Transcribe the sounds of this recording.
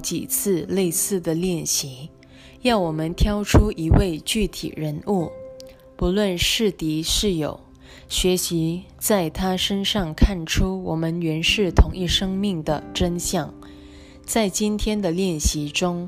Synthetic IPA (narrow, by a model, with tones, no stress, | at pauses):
t͡ɕḭ˨˩t͡sʰɹ̩˥˧le˥˧ɪsɹ̩˥˩d̪ə˩ljɛ˥˩nɕi˧˥ | jɑ˥˩ʊwɔ˨˩mə˦nt̪ʰjɑ˥ʊʈ͡ʂʰu˥ʔi˧˥we˥˧ɪt͡ɕy˥˩t̪ʰḭ˨˩ɻə˧˥nu˥˩ | pu˧˥lwə˥˧nʂɻ̩˥˩t̪i˧˥ʂɻ̩˥˩jo̰˨˩˦ʊ | ɕɥɛ˧˥ɕi˧˥ | t͡sa˥˩ɪt̪ʰa˥ʂə˥nʂɑ˥˧ŋkʰa˥˩nʈ͡ʂʰu˥wɔ˨˩mə˦nɥɛ˧˥nʂɻ̩˥˩t̪ʰʊ˧˥ŋi˥˩ʂɤ˥ŋmi˥˩ŋd̪ə˩ʈ͡ʂə˥nɕjɑ˥˩ŋ | t͡sa˥˩ɪt͡ɕi˥nt̪ʰjɛ˥nd̪ə˨ljɛ˥˩nɕi˧˥ʈ͡ʂʊ˥ŋ